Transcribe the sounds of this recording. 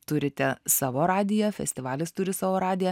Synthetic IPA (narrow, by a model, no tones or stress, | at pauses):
t̪ʊɾʲɪt̪ʲɛsɑːʋoːɾɑːd̪ʲɪjɛfʲɛ̰sʲt̪ʲɪʋɑːlʲɪst̪ʊɾʲɪsɑːʋoːɾɑːd̪ʲɪjɛ